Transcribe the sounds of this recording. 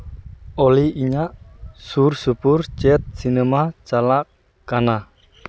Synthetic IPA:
oliʔiɲaʔsursupʊrt͡ʃɛt̪̚sinemat͡ʃalak | kana

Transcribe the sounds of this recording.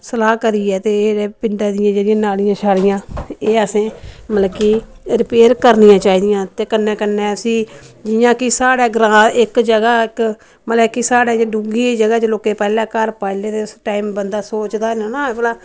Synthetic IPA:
səlaːkəɾiːɛːt̪eːeːpɪɳɖaːd̪ɪjãːd͡ʒeːɽɪjãːnaːlɪjãːʃʰaːlɪjãːeːəsẽːməlːkiːɾɪpeːɾkəɾnɪjãːt͡ʃaːiːd̪ɪjãːt̪eːkənːɛ̃ːkənːɛ̃ːəsĩːd͡ʒɪjãːkɪsaːɽɛːɡɾãːɪkd͡ʒəɡaːɪk | mələːkisaːɽɛːɖuːɡiːd͡ʒəɡaːt͡ʃəloːkeːpɛːlɛ̃ːkəɾpaːleːt̪eːʊsʈaːimbənd̪aːsoːt͡ʃd̪aːnonãːblaː

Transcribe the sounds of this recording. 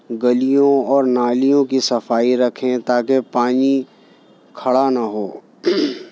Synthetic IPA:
ɡɐlijõɔːɾnaːlijõkisɐfaːiɾɐkʰẽt̪aːkepaːni | kʰɐɽanaɦoː

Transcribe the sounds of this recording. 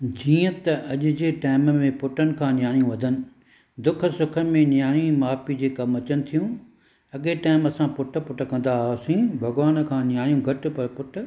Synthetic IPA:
d͡ʑiːə̃t̪ɐʔɐʄʊd͡ʑeːʈaːɪmmẽpʊʈʰənɪ̆kʰãːnjaːɽijũʋɐd̪ʱənɪ̆ | d̪ʊkʰə̆sʊkʰəɾmẽnjaːɽ̃imaːpid͡ʑeːkɐmɐt͡ɕənɪ̆t̪ʰijũ | ɐɠeʈaːɪmɐsãpʊʈʰə̆pʊʈʰə̆kɐ̃n̆d̪asĩːbʱɐɡʋaːnkʰãːnɪjaːɽijũɡʱɐʈ̆pɐɾpʊʈʰʊ̆

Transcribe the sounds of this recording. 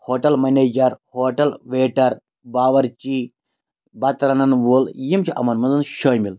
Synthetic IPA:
hoːʈɐlmɐneːd͡ʒɐɾhoːʈɐlʋeːʈɐɾ | baːʋɐɾt͡ʃi | bɐt̪ɾɐnɐnʋoːljimt͡ʃʰiʔɐ̰mɐnmɐnzɐnʃɐːjmil

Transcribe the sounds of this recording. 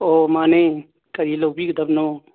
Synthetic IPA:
omaːne | kɐɾilobiːkd̪ɐbno

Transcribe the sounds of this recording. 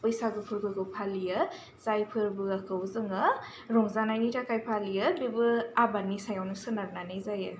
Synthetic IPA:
pɯjsaɡɯpʰɯɾɡɯɡɯpʰalijɯ | zajpʰɯɾbɯakʰɯwzɯŋɯ | ɾɔŋzanajnitʰakajpʰalijɯbibɯabanisajawnɯsɯnaɾnanɯjzajɯ

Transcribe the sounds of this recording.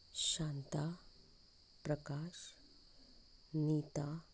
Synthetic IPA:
ɕant̪a | pɾəkaʃ | niːt̪a

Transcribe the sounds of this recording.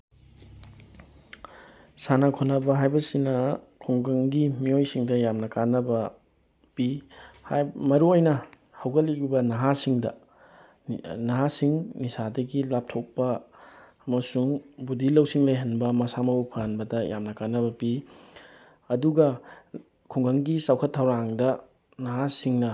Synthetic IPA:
sanɐkʰonɐbɐɦajbɐsinɐkʰoŋɡɐŋɡimiojsiŋdɐjamnɐkanːɐbɐ | pihmɐɾuojnɐ | hɐwɡɐliɡibɐnɐɦasiŋdɐ̰ | nɐɦasiŋnisadɐɡilap̚tʰok̚pɐː | mɐsuŋbudilɐwsiŋlɐjɦɐnbɐmɐsamɐupʰanbɐdɐja̰mnɐkanːɐbɐpi | ɐduɡɐ | kʰuŋɡɐŋɡisawkʰɐtʰːɐwɾaŋdɐ | nɐɦasiŋnɐ

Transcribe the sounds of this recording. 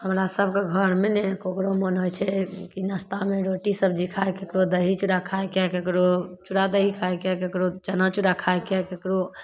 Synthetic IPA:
həmɾasəbʱkeɡʱəɾmenekokɾomənojt͡ʃʰɛkinast̪ameɾoʈisəbd͡ʒikʰaekekɾod̪əɦit͡ʃuɽakʰaekɛkekɾot͡ʃuɽad̪əɦikʰaekɛkekɾot͡ʃənat͡ʃuɽakʰaekɛkekɾo

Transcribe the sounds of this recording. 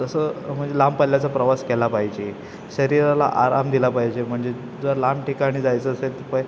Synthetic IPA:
t̪əsəm̤əɳd͡zelampəlːjat͡sapɾəʋaskɛlapaɦid͡ʑe | ɕəɾiɾala̰ʔa̰ɾa̰md̪ilapaɦid͡ʑem̤əɳd͡ze | d͡zəɾlamʈikaɽ̃iːd͡zajt͡səːselt̪əpəj

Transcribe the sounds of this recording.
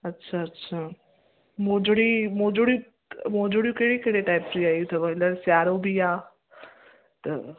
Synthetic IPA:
ɐtːɕʰaɐtːɕʰa | moːd͡ʑoɽimõːd͡ʑuɽijũ | moːd͡ʑuːɽijũkeɽikeɽeʈaːɪpɾiaːjũt̪ʰɐʋɐɪnləɾsjaːɾobijaː | t̪ɐ̰

